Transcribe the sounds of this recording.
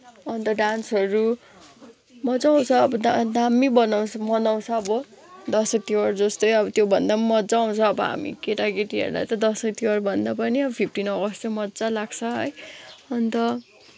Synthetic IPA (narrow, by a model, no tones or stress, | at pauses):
ʌnt̪ʌɖansʌɾu | mʌd͡zaw̃t͡sʰʌːbʌd̪ad̪amibʌnaw̃t͡sʰʌmʌnaw̃t͡sʰʌːbʌ | d̪ʌsʌk̚t̪iwʌrd͡zʌst̪ojʌbʌt̪jobʱʌnd̪amʌd͡zaaw̃t͡sʰʌːbʌɦa̰mḭkeʈaɡeʈiɦḛrd̪a̰t̪ʌd̪ʌsʌk̚t̪iwʌrbʱʌnd̪apʌniʌbʌpʰip̚ʰʈinʌɡʌst͡sʰʌmʌd͡zalaɡt͡sʰʌʌ̰jʌnt̪ʌ